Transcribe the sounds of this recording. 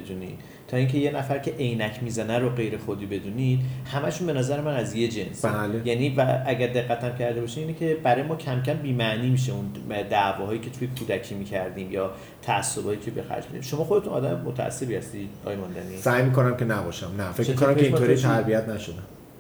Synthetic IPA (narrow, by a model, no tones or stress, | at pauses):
ed̪uːnḭːd̪̥ | t̪ʰɒːiːŋcʰe̞je̞næfæɾcʰe̞ʔejnæcʰmiːzænæɾoɢe̞jɾe̞xod̪iːbe̞d̪uːnid̪hæmæʃunbe̞næzæɾemænæzje̞d͡ʒe̞nsalejæniːvææɟæɾd̪e̞ɣːæt̪ʰæmcʰæɾd̪e̞bɒːʃimiːnecʰe̞bæɾɒːjemɒːcʰæmcʰæmbiːmæniːmiʃ̬eund̪ævɒːhɒːjiːcʲʰe̞t̪ʰujekʰuːd̪æcʰiːmiːcʰæɾd̪iːmjɒː | t̪ʰæːsːobɒːjiːcʰe̞bexæ̰ɾd͡ʒmḭd̪ḭmʃo̞mɒːxo̞d̪e̞t̪unɒ̰d̪æmemot̪ʰæ̰ʔæ̰sːe̞bihæst̪iɒ̰ːjemɒnd̪æ̰nisæːjmikonæmkʲʰe̞næbɒːʃæmnæfekʰt͡ʃemkonæmfkeineoɾit̪ʰæɾbijæt̪næʃod̪æm